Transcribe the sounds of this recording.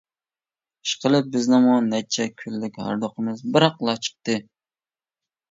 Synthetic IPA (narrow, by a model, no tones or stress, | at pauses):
i̥ʃqʰəlˠɨp̚bɪznɪmunɛt͡ʃʰɛkʲʰylːɪkʲhɑ̰ɾd̪oqʰəmɨzbɪɾhɑqlˠɑt͡ʃʰə̥χ̚t̪ɨ